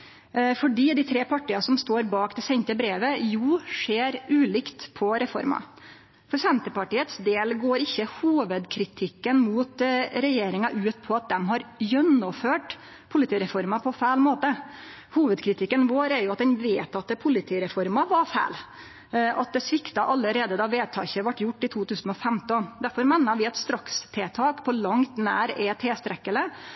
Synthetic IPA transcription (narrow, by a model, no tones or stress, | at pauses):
fɔɖiːd̪ɪt̪ʰɾeːpʰɑʈiːɑsɔmst̪oːɾbɑːkd̪ɛsɛɲt̪əbɾeːʋəjuːʂeːɾʉːlɪkt̪pʰɔɾɛfɔ̰ɾmɑ̰ | fɔɾsɛnt̪əpɑʈiːət̪sd̪eːlɡoːɾɪçːəhuːʋəd̪kʰɾɪt̪ʰɪkːənmuːt̪ɾɛjeːɾɪŋɑʔʉːt̪̚pʰɔɑt̪̚d̪ɛmɦɑɾjœnɔføːʈ | pʰʊlɪt̪ʰiːɾɛfɔɾmɑpʰɔfæɪlmoːt̪ə | huːʋəd̪kʰɾɪt̪ʰɪkːənʋoːɾɛɾjʊɑt̪̚d̪ɛnʋeːt̪ɑt̪pʰʊlɪt̪ʰiːɾɛfɔɾmɑʋɑfæ̰ːl | ʔɑ̰t̪̚d̪ɛsʋɪkt̪ɑʔɑlːəɾeːd̪əd̪ɑʋeːt̪ʰɑ̰ːçəʋɑʈːjʊʈːɪt̪ʰuːt̪ʰʉːsən̩ɔfɛmt̪ɔnd̪æɾfɔɾmɛnːɑʋɪɛt̪st̪ɾɑkst̪ʰeːt̪ʰɑːkpʰɔlɑŋt̪næ̰ːɾɛt̪ʰɛːst̪ɾɛkːələ